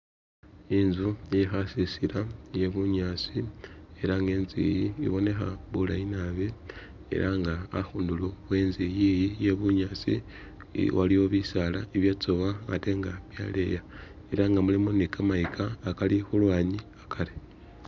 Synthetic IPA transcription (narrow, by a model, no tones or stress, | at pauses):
inzujexasisilaje̞βuɲaːt͡sie̞ɾaŋɡe̞ːnzḭjiːβo̞ne̞xa̰βulajinaβi | ḛɾʔaŋɡaːxuːnduluβwe̞nzijijije̞βuɲat͡sḭ | waliwoβisalaiβjat͡soβaa̰te̞ŋɡaβja̰le̞̰ja | eɾaŋɡamulimunikʰamaikʰaːkalixulwaːɲiakʰali